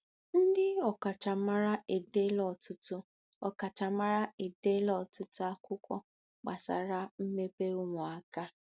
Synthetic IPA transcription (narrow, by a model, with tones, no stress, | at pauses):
n̩˦dɪ˦ɔ˨ka˨t͡ʃa˨ma˦ɾa˦ʔe˨de˦lɔ˦˨tʊ˦tʊ˦ | ɔ˨ka˨t͡ʃa˨ma˦ɾa˦e˨de˦lɔ˨tʊ˦tʊ˦a˦kʊ˦kʷɔ̰˦ | k͡pa̰˨sa̰˨ɾa˦m̩˦me˦pe˦u˦ŋʷɔ˨a˨ka˦